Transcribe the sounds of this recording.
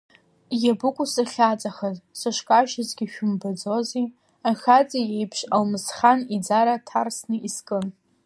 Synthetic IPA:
jabɨkʷʼʊsɨχʲat͡sʼaχazsɨʃkʼaʃazɡʲɪʃᶣʊmbad͡zoze | axʲat͡sʼajejpʰʃalmɨsχanid͡zaɾatʰarsnɨʔiskʼɨn

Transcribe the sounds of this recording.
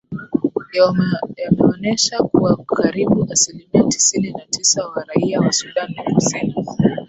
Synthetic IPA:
jamɛɔnɛʃakuwakʰaɾiɓuʔasilimiati̥sininatʰisawaɾaiawasuɗanɛfusini

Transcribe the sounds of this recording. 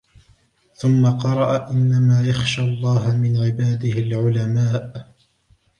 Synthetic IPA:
θʊmːaqɑɾˤɑʔaʔɪnːamaːjaxʃaːɑlˤːɑːɦmɪnʕɪbaːd̪ɪhɪlʕʊlamaːʔ

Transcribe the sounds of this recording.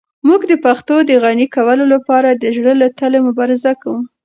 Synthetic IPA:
muɡd̪əpaxt̪od̪əɣanikawəlolapɑɾad̪əʒɽəlat̪əlemʊbɑɾɪzakawum

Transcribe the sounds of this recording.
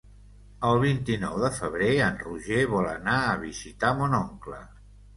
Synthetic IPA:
əlˠβ̞int̪inɔwðəfəβɾeənruʒeβɔlənaəβizit̪amonoŋklə

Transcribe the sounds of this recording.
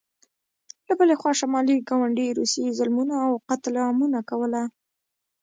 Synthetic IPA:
labəlexwɑʃamɑliɡɑwaɳɖiɾusizʊlmunaːwqat̪lɑmunakawəla

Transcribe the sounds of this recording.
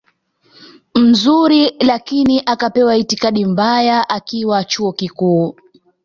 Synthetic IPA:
m̩zuɾilakiniʔakapɛwaitikaɗim̩bajaʔakiwat͡ʃuɔkikuː

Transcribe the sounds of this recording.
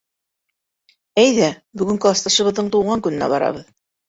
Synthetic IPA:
æjðæbɵ̆ɡɵ̆ŋkɵɑst̪ɑʃɤ̆βɤ̆ðːɤɴt̪uwʁɑŋkɵ̆nɘ̆næ̰bɑɾɑ̰βɤð

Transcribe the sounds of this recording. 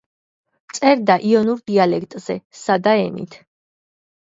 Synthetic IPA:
t̪sʼɛɾd̪aʔiɔnuɾd̪ialɛkʰt̪ʼz̥ɛsad̪aɛnḭt̪ʰ

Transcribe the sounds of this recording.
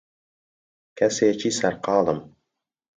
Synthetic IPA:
kʰæset͡ʃʰisæɾqɑːlˠəm

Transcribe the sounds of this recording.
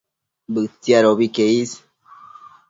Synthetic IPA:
bɨt͡siaɾoβikeis

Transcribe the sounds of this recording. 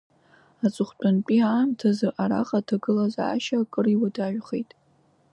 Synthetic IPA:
at͡sʼɨχʷt͡pʷʰʼanpʼiaːmtʰazɨrʔaɾa̰χʼatʰaɡɨlaza̰ːʃakʼɨriwadaʒᶣχejtʼ

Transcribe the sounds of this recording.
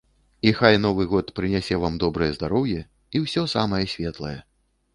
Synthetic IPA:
ixajnɔvɨɣɔt̪pɾɨnʲasʲɛvamd̪ɔbɾɨjɛzd̪aɾɔwjɛ | iwsʲɔsamɐjɛsʲvʲɛt̪lˠɐjɛ

